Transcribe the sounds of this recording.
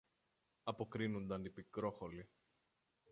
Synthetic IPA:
ɐpo̞kɾinund̪ɐnd̪ipikɾo̞xoli

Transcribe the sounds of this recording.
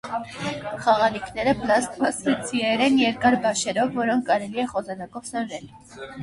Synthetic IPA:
χɑʁɑnikʰnɛɾəpəlɑst̪mɑsɾɛt͡sʰiɛɾɛnjɛɾkɑɾbɑʃɛɾɔvːɔɾɔŋkʰkɑɾɛliɛχɔzɑnɑkɔvsənɾɛl

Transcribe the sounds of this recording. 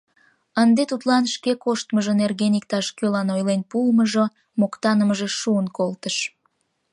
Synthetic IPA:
ənd̪et̪ut̪lɑnʃkekoʃt̪məʒənerɣenik̚t̪ɑʃkølɑnojlenpulməʒo | mokt̪ɑnəməʒeʃuənkolt̪əʃ

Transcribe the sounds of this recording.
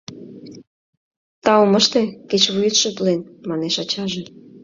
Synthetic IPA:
t̪ɑoməʃt̪eket͡ɕβujət̪ʃə̆p̪lenmɑneʃɑt͡ɕɑʒĕ

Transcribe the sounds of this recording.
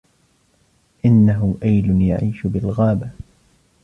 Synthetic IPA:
ʔɪnːaɦʊʔajlʊnjaʕiːʃʊbɪlɣaːba

